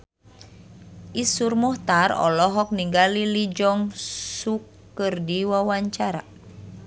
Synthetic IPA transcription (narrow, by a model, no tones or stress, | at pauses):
ʔisurmɔht̪arɔ̰lɔɦɔk̚niŋɡalilid͡ʒɔŋsukː | ɨrdiwawaɲt͡ʃaɾa̰